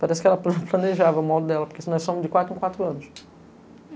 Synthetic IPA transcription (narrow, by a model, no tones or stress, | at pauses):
paɾɛsɪ̥kɪɛlɐplplɐneʒavɐũmɔd̪ʊd̪ɛlɐpoɾkesɪnɔjsõmʊzd͡ʒɪkwat̪ɾẽkwat̪ɾʊɐ̃nʊʃ